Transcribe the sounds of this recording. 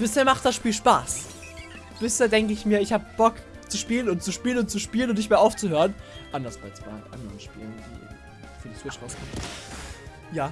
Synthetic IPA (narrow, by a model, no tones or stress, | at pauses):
b̥ɪsheːɐmaχt̚d̥asʃpiːlʃpa̰ːs | b̥ɪsheːɐdɛŋkəɪçmiːɐɪçhaːbəbɔk | t͡suʃpiːlənʊntt͡suʃpiːlənʊntt͡suʃpiːlənʊntnɪçtmeːɐʔaʊft͡suhøːʁənʔandɐsb̥aɪt͡sv̥a̰ɪʔa̰ndəʁənʃpḭːləndḭː | fyːɐdiswɪt͡ʃʁ̥aʊskʰɔm | jaː